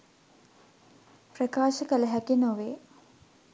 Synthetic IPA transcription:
prəkaːʃəkələɦækinoʋeː

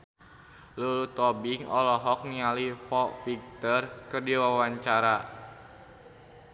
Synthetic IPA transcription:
lulut̪ɔbiŋɔlɔɦɔk̚nialifɔfik̚t̪ərkɨrdiwawaɲt͡ʃaɾa

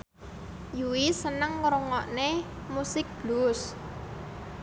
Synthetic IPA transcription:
juwisənəŋɾuŋɔʔne | musɪk̚b̥lus

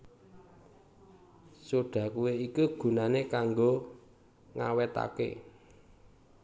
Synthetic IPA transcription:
suɖ̥ä̤kuweikuɡ̥ṳnanekaŋɡo | ŋa̰wɛt̪a̰kḛ

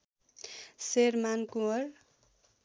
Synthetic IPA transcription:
sermankuʌr

